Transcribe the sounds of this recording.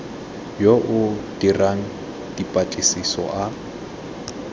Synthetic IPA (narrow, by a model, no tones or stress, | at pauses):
joʔʊd̥iraŋ̩ | dipʼat͡ɬʼɪsisɔ̰ʔa